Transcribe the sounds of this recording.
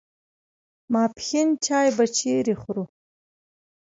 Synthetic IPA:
maːpʰxʲint͡ʃʰaːjbat͡ʃʰiɾiχɾu

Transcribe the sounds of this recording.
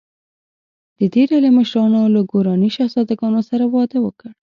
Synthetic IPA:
d̪̥əd̪eɖaleməʃɾɑnolaɡoɾɑniʃasɑd̪aɡɑnosaɾawɑd̪ewəkəɽ

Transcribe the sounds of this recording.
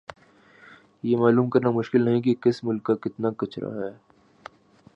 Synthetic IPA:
jeːmaːluːmkɐɾnamʊʃkɪlnɐɦĩk̬ikɪsmʊlkːakɪt̪nakɐt͡ʃɾa̰ɦɛː

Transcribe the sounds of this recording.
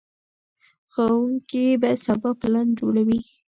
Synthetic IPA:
xawuŋkibasabapland͡ʒoɽawi

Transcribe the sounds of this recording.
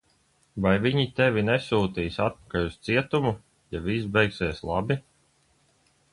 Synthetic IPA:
vajviɲit̪ɛvʲinɛsuːt̪iːsat̪̚pakajust̪siɛt̪umu | javis̬bɛjksiɛslˠa̰bi

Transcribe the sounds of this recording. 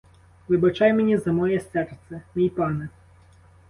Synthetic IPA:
ʋɪbɐt͡ʃɑjmenʲizɐmɔjɛsɛrt̪sɛmʲijpɑnɛ

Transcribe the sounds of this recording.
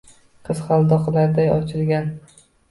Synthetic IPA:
qʰɨzχalˠd̪ɒqlaɾd̪ajɒt͡ʃʰɪlˠɡʲan

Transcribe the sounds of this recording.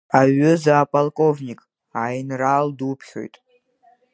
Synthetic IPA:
aɥʏzaːpʼalˠkʼo̞vnʲikʼ | ajnraːldupʰχʲo̞̰jtʼ

